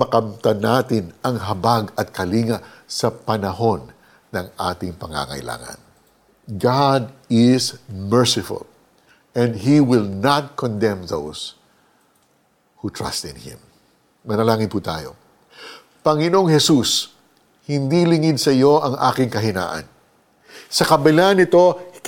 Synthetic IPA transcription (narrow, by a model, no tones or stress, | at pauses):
mɐkɐmt̪ɐnaːt̪ɪnɐŋɦɐbaɡɐt̪̚kɐliːŋɐsɐpɐnɐɦo̞nː | ɐŋʔa̰ːt̪ɪŋpɐŋa̰ŋɐ̰jlʔa̰ːŋɐ̰n | ɡad̪ɪzmɛɹsɪfʊ̰l | ʔɛ̃nd̪ɦiwɪlnat̪̚kʰɔnd̪ɛ̃mðo̰ws | hut̪ʰɹa̰st̪ɪ̃nhɪ̰̃mː | ɐnɐlaːŋɪnpuːt̪a̰ːjo̞̰ | pɐŋɪno̞ŋhɛsus | hɪnd̪ilɪŋɪd̪̚sɐjo̞ʔɐŋʔa̰ːkɪŋkɐɦɪna̰ːʔɐ̰n | sɐkɐbɪlanɪt̪o̞